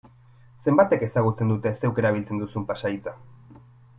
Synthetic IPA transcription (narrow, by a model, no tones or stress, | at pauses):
se̞mbat̪e̞ke̞saɣ̞ut͡se̞nd̪ut̪e̞se̞wke̞ɾaβ̞ilt͡se̞nd̪usumpasajt͡sa